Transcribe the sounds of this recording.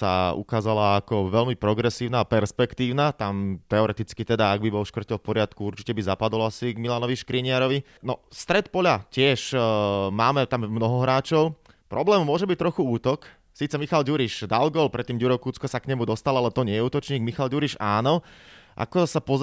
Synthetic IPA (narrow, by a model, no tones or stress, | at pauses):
sa̰ṵkaːzalaakɔʋɛʎmipɾɔɡɾɛsiːʊnaːpɛɾspɛkt̪iːʊnat̪amt̪ɛɔɾɛt̪it͡skit̪ɛd̪aaɡ̚bibɔlʃkr̩cɔlfpɔɾɪat̪kuuɾt͡ʃi̥cɛbizapad̪ɔlasiɡmilanɔʋiʃkɾiɲɪaɾɔʋi | nɔst̪ɾɛt̪pɔʎacɪɛʃ | maːmɛt̪amːnɔɦɔɦɾaːt͡ʃɔʊ | pɾɔblɛːmmʊɔʒɛbic̚t̪ɾɔxuuːt̪ɔk | siːt̪t͡sɛmixalɟuɾiʃd̪alɡɔːlpɾɛt̪ːiːmɟuɾɔkuːt͡skɔsakɲɛmud̪ɔst̪alalɛt̪ɔɲɛjɛuːt̪ɔt͡ʃɲiːɡmixalɟuɾiʒaːnɔʔa̰kɔsapɔ